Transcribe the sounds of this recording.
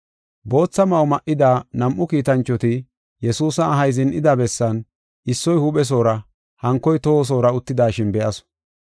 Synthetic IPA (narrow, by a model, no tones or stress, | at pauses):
bo̞ːt͡sːɐmɐwmɐʔɪd̪aːnɐmʔʊkiːt̪ɐnt͡ʃːɔt̪ɪ | jɛsuːsɐːɦɐjzɪnʔɪd̪abɛsːɐn | ʔɪsːɔjhʊɓɛs̬o̞ːɾɐ | hɐŋkːɔjt̪os̬o̞ːɾɐʊt̪ːɪd̪aːʃɪnbɛʔɐsɔ̥